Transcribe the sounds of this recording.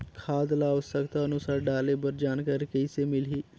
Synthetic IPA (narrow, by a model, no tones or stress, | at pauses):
kʰaːd̪laʊsəkt̪aənʊsaːɾɖaːlebəɾd͡ʒaːnkaɾkəɪsemɪliː